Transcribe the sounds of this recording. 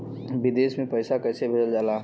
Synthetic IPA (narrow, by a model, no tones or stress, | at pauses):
bɪd̪eːsmẽpəɪsakɛːsebʱəd͡ʒəld͡ʒaːlaː